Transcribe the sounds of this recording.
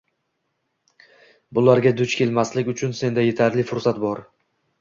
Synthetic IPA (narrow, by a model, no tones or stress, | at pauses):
bʊlaɾɡʲad̪ʊt͡ʃkʲʰe̞lmaslɪkʲʊt͡ʃʰʊnse̞nd̪aje̞t̪ʰaɾlɪfʊɾsat̪bɒɾ